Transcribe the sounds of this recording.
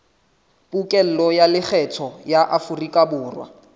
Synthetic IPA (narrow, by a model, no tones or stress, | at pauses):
pʼukʼɛl̩lɔjalɪk͡xʰɛtʰɔjaʔafurikʼabʊːrwa̰